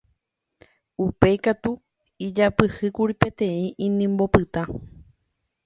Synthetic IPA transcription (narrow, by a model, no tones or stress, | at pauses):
upe̞jkat̪u | id͡ʒapɨhɨkuɾipe̞t̪ẽ̞ĩʔĩnĩmbo̞pɨt̪ã